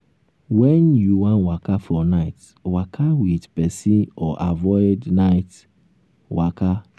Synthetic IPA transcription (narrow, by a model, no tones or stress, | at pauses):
wɛnjuwãnwakafɹɔnaɪt | wakʰawidpɛsĩɔʔavɔɪdnaɪt | waka